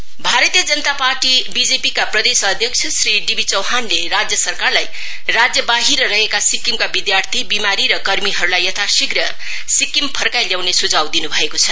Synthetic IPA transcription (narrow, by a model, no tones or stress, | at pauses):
bʱaɾʌt̪ijəd͡zʌnət̪aparʈibid͡zepikaprʌd̪esʌd̪ʱjʌk̚t͡sʰʌsriɖibʱit͡sʌwɦanleɾad͡zjʌsʌrkarlaj | rad͡zjʌbaɦiɾʌɾʌɦekasikimkabid̪jart̪ʰibimaɾiɾʌkʌrmiɦʌɾulajʌt̪ʰasiɡrʌ | sikːimpʰʌrkajljawnesud͡zʱawd̪inubʱʌekot͡sʰʌ